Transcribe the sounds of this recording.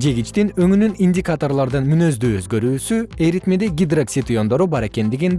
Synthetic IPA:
d͡ʒe̞ɡʲit͡ʃt̪inø̞ŋynyninʲdʲikat̪o̞rlˠɑɾd̪ɯnmynø̞zd̪yø̞zɡø̞ɾyːsye̞ɾit̪me̞d̪eɡʲid̪raksʲit̪io̞nd̪o̞ɾubɑɾe̞ke̞nd̪iɡin

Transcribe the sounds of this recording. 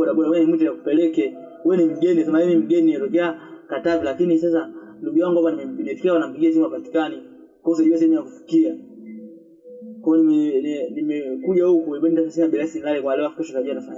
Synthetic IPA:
ɔɗaɓɔɗawɛnimut̬ujakupɛlɛkɛ | wɛnim̩ɡɛnias̬ɛmajɛnim̩ɡɛniɛtɔkɛakatavilakinisas̬a | nduɡujaŋɡuwapanimɛm̩piɗifi̥kiawanam̩piɡias̬imapati̥kani | kɔusaʄuwas̬ɛɛmujakufi̥kia | kwaɔnimɛnnimɛkuʄahukuibɛnitasasɛnaɓinasinilalikwalɛwafikɛsɔsaʄuanafaɲa

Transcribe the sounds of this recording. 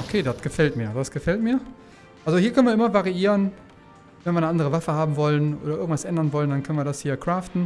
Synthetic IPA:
ʔokʰeːdatɡ̥əfɛltmiːɐdasɡ̥əfɛltmiːɐ | ʔalzohiːɐkʰœnvɐɪmɐvaʁiiːʁən | vɛnviɐnəandəʁəvafəhaːbm̩vɔlənʔo̰ːdɐʔɪɐŋtv̥asʔɛndɐnvɔləndankʰœnviɐdashiːɐkʁ̥aːftn̩

